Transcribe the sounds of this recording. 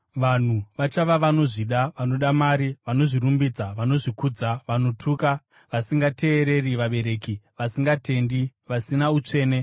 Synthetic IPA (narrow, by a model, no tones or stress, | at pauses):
ʋan̤uʋat͡ʃaʋaʋano̞ʐiɗaʋano̞ɗamaɾiʋano̞ʐirumbiːd͡zaʋano̞ʐikud͡zaʋano̞tʰuːka | ʋasiŋɡate̞ːɾe̞riʋaɓe̞ɾe̞ːkiʋasiŋɡate̞ndiʋasinaut͡ʂe̞ːne̞